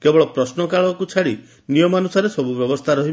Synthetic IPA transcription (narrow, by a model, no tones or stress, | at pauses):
kebɔɭɔpɾɔsnɔkaɭɔkut͡ʃʰaɽi | nijɔmanusaɾesɔbubjɔbɔst̪ʰaɾɔɦib